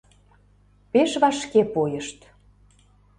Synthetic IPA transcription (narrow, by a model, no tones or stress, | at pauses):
peʃβɑʃkepojəʃt̪